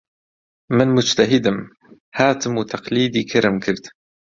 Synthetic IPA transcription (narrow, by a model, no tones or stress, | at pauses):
mɪnmʊd͡ʒt̪aɦɪd̪ɪm | haːt̪ɪmwt̪ɑqliːd̪iːkʰaɾɪmkɪɾd̪